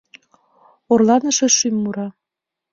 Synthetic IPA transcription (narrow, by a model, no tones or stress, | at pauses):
orlɑnə̆ʃĕʃymːuɾɑ